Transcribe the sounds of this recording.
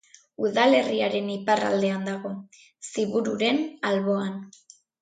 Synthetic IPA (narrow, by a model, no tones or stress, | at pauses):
uðale̞riaɾe̞nipara̰ld̪e̞and̪aɣ̞o̞ | siβuɾuɾe̞nalβo̞an